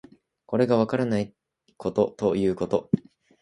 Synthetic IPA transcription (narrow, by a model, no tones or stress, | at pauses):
ko̞ɾe̞ɡaβakaɾanai | kʰo̞t̪o̞t̪o̞jɯ̟ːko̞t̪o̞